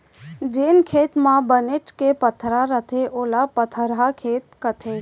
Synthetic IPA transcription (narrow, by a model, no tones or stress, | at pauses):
d͡ʒeːnkʰeːt̪mãbənet͡ʃkepət̪ʰɾaɾət̪ʰeʔoːlapət̪ʰəɾɦakʰeːt̪kət̪ʰe